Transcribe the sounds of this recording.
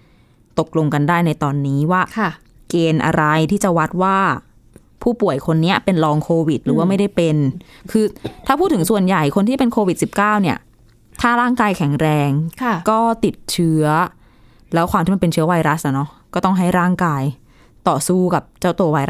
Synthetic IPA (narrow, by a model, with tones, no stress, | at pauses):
t̪o˨˩k̚lo˧ŋka˧ndaː˥˩jna˧jt̪ɔː˧nːiː˦˥waː˥˩˧ | keː˧nʔa̰˧ɾa˧jt̪ʰiː˥˩t͡ɕa˨˩wa˦˥t̪̚waː˥˩ | pʰuː˥˩pu˨˩əjkʰo˧nːi˦˥ɐ˨˩pe˧nlɔː˧ŋkʰoː˧wi˨˩t̪̚ɾɯː˩˦waː˥˩ma˥˩jda˥˩jpe˧nkʰɯː˧t̪ʰaː˥˩pʰuː˥˩t̪ʰːɯ˩˦ŋsu˨˩ənja˨˩jkʰo˧nt̪ʰiː˥˩pe˧nkʰoː˧wi˨˩t̪̚si˨˩p̚kaː˥˩wni˥˩ɐ | t̪ʰaː˥˩ɾaː˥˩ŋkaː˧jkʰɛ˨˩˦ŋɾɛː˧ŋʰ˩kɔː˥˩t̪i˨˩t̪̚t͡ɕʰɯ˦˥ɐ | lɛː˦˥wkʰwaː˧mʰiː˥˩m˧pe˧nt͡ɕʰɯ˦ɐ˥wa˧jɾa˦˥s̚ʔa˧˩nɔ˦˥kɔː˥˩t̪ɔ˥˩ŋɦa˥˩jɾaː˥˩ŋkaː˧j | t̪ɔː˨˩suː˥˩ka˨˩p̚t͡ɕa˥˩wt̪oː˧wa˧j